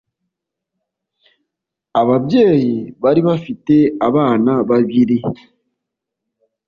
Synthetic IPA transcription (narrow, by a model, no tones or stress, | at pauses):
aβaβje̞ːjiβaɾiβafite̞aβaːnaβaβiɾi